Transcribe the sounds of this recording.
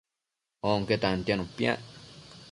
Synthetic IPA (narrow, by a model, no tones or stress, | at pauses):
oŋket̪ant̪janũpja̰